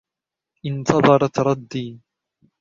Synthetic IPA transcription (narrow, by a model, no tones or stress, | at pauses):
ʔɪnt̪ʰɑðˤɑɾˤɑt̪ɾˤɑd̪ːiː